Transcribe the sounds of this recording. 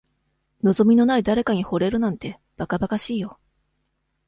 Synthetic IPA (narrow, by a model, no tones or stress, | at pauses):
no̞zo̞mʲino̞naid̪aɾe̞kaɲ̟iho̞ɾe̞ɾɯ̟nãnt̪e̞ | b̥akabakaɕiːjo̞